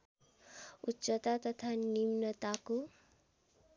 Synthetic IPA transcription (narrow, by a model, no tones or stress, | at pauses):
ut͡ʃət̪at̪ət̪ʰanimnət̪ako